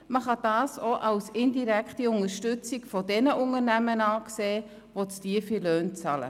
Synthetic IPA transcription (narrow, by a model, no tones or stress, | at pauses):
məχɑd̥ɑːsoʔɑwsɪndiɾɛkχtiʊŋəɾʃtʏt͡sɪɡfɔdɛnəʔʊŋəɾnæmənɑːkseː | vot͡sd̥iəfiløːnt͡sɑlə̰